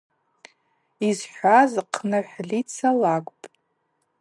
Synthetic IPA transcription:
izħʷᶣazqʰnɨħʷᶣlit͡sʰalaɡʷʼpʼ

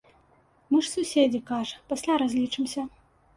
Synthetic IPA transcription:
mɨʂsusʲed͡zʲikaʐɐpasʲlʲaɾazʲlʲit͡ʂɨmsʲɐ

